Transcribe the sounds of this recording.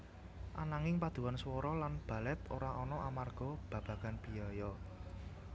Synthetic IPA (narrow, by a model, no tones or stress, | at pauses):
ʔanaŋɪŋpad̪̥ṳwanswɔɾɔlanb̥ä̤lɛt̪oɾaʔɔnɔʔamarɡ̥ɔ̤b̥ä̤b̥ä̤ɡ̥anb̥i̤ajɔ